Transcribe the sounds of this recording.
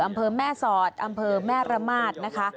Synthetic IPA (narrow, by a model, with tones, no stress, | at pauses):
ʔa˧mpʰɤː˧mɛː˥˩sɔː˨˩t̪̚ʔa˧mpʰɤː˧mɛː˥˩ɾa˧maː˥˩t̪̚na˦˥kʰa˦˥ʔ